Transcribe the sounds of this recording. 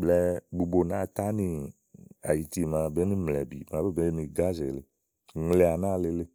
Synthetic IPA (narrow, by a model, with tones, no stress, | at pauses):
ɡ͡blɛ˧ɡ͡bu˨bo˨nã˦˨t̪a˦nĩ˧ | a̰˨ji˨ti˦˨mã˧be˦nĩ˦mlɛ˨bḭ˨mã˨˦be˦be˦nĩ˧ɡa˦zɛ˨le˨ | ŋ˨lɛ˨a˨nã˦˨le˧˦le˦